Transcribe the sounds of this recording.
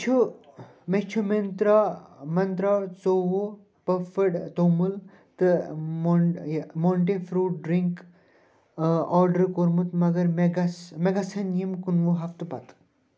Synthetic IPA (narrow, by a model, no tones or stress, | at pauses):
t͡ʃʰu | met͡ʃʰument̪ɾamɐnt̪ɾat͡soʋo | pɐfəɽt̪omul | t̪ɨmomoɳʈefɾuːʈ̚ɖɾiŋk | ɔːɾɖəɾkoɾmut̪mɐɡɐɾmeɡɐsmeɡasɐnjimkunʋoɦɐft̪bat̪